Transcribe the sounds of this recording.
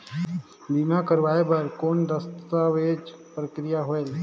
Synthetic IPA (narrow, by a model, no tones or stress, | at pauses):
biːmakəɾʋaːebəɾkoːnɾəst̪aʋeːd͡ʒpɾəkɾɪjaɦoel